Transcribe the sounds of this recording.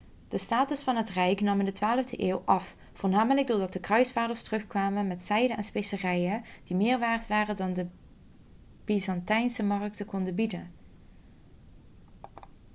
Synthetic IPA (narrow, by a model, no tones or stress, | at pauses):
d̥əstaːtɵsfɑnɦətrɛjknɑmɪndətʋaːləvdəʔeːwʔɑf | voːɹnaːmələɡ̚dʊːɹdɑt̚dəkrœɥsfaːdəɹstərɵxkʋaːmənmɛtsɛjdənʔɛnspesərɛjəd̥imɪːɹʋaːɹtʋaːrədɑndə | b̥izɑntɛjnsəmɑrk̚təkɔndəbidən